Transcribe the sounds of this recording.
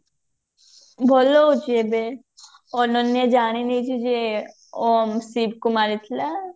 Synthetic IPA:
bʱɔloʊt͡ʃebe | ɔnənːed͡ʒaːɽ̃init͡ʃʰid͡ʒe | omsiːb̚kʊmaːɾit̪ʰla

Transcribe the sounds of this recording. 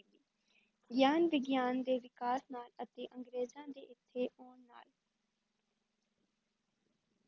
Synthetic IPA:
iː | ɡjaːnʋɪɡjaːnd̪eːʋɪkaːsnaːlət̪eːʔə̃ŋɡɾeːzãːd̪ḛːʔɪt̪ʰːeːʔoːɳːa̰ːl

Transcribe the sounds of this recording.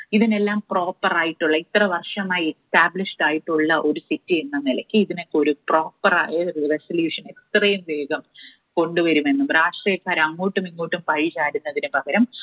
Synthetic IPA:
iðine̞lːaːmpro̞ːpːɐraːjiʈːuɭːɐit̪rɐʋɐrʂɐmaːjekstaːbliʂʈaːjiʈːuɭːɐʔo̞ɾusitːienːɐnilɐkʲːɨiðino̞kːeo̞ɾupro̞ːpːɐra̰ːjresɐljuːʂɐne̞kst̪rejɐmʋe̞ːɡɐm | ko̞ɳɖuʋɐɾume̞nːumɾaːʂʈriːjɐkːaːɾɐmɐŋːoːʈːumiŋːoːʈːumpɐɻit͡ɕaːɾunːɐðinɨpɐɡɐɾɐm

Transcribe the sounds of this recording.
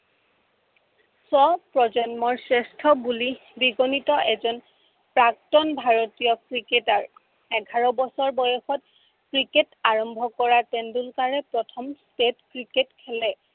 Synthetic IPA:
sɔpɹɔzɔnmɔɹsɹɛstʰɔbulibiɡɔnitɔʔɛzɔn | pɹak̚tɔnbʱaɹotijɔkɹiketaɹ | ɛɡʱaɹɔbɔsɔɹbɔjɔxɔt̚ | kɹiketaɹɔmbʱɔkɔɹatɛndulkaɹɛpɹɔtʰɔmstetkɹiketkʰɛlɛ

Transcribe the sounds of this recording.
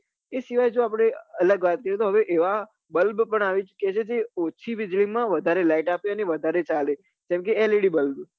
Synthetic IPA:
esiʋajd͡ʒoapɽ̃eələɡʋat̪̚kəɾijot̪oɦəʋeʔeʋa | bəlbpəɳaʋit͡ʃkjet͡ʃʰed͡ʒeot͡ʃʰiʋɪd͡ʒlimãʋəd̪ʱaɾelaiʈapeəneʋəd̪ʱaɾet͡ʃale | d͡ʒɛ̃mk̬eeleɽibəlb

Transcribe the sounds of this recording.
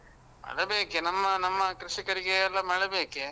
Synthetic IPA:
mɐ̰ɭɐbeːkenɐmːɐnɐmːɐkɾɪʂikɐɾiɡeɐlːɐmɐɭɐbeːke

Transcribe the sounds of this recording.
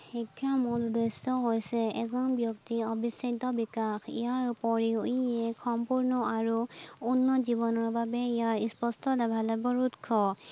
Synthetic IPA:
hikʰːamoludɔsɔɦojsɛɛzɔnbjɔktiɔbisatɔbikaxḭjaɹupɔɹiuɛxɔmpuɹnɔaɹuunːɔzibɔnɔɹbabɛijaɹispɔstɔlɛbʱalɛbɔɹutkʰɔ

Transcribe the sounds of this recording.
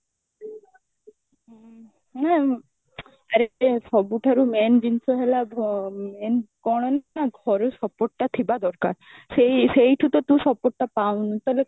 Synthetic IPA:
ɛ | aɾesɔbuʈʰaɾumɛnd͡ʑinsʰoɦelamɛnkɔɽ̃ɔnaɡʱɔɾosɔpoʈʈat̪ʰibad̪ɔɾka̰ɾ | sejsejʈʰut̪ot̪ũsɔpoʈʈapawnt̪ɔɦle

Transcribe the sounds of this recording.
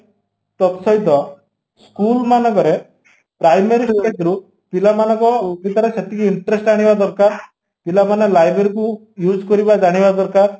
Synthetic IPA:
t̪ɔt̪sɔjt̪ɔ | skulmanɔkɔɾe | pɾajmeɾisat̪ɔɾu | pilamanɔkɔbit̪ɔɾeset̪ikiiɳʈɾesʈaɽ̃ibad̪ɔɾkaɾ | pilamanelajbeɾiku | jud͡ʒkɔɾibad͡ʒaɽ̃ibad̪ɔɾkaɾ

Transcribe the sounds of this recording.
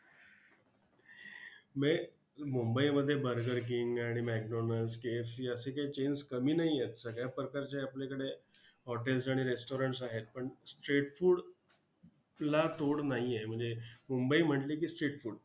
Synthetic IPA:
me | mumbəiməd̪ʱːjebəɾɡəɾkiŋɡaɽ̃imæk̚ɖonəlskeːfsiːəsekajt͡ɕenskəmiːnaɦijet̪səɡjapɾəkaɾt͡ɕeaplekəɽe | ɦɔʈels̬aɽ̃iɾesʈoɾəɳʈs̬aɦet̪̚pəɳsʈɾeʈfuɽ | lat̪oɽnaɦiem̤əɳd͡zemumbəim̤əɳʈlik̬iːsʈɾeʈfuːɽ

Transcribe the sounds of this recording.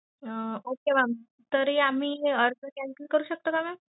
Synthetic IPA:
əokeʋam | t̪əɾiam̤iːəɾɡəkæ̃ŋkilkəɾuːɕək̚t̪okama

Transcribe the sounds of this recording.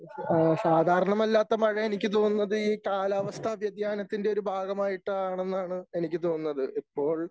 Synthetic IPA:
saːd̪ʱaːɾɐɳɐmɐlːaːt̪ːɐmɐɻɐenikʲːɨt̪oːnːɐðɨiːkaːlaːʋɐst̪ʰɐbʱjɐd̪jaːnɐt̪ːinde̞o̞ɾubʱaːɡɐmaːjiʈːɐaːɳe̞nːaːɳɨe̞nikʲːɨt̪o̞ːunːɐðɨʔipːo̞ːɭ

